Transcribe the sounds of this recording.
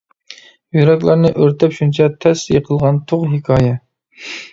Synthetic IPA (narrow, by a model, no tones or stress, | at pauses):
jyɾɛkʲlˠɑɾnɨʔøɾt̪ʰɛpʃunt͡ʃʰɑt̪ʰɛsijqʰəlˠʁɑnt̪ʰoʁɦɪkʰɑːjɛ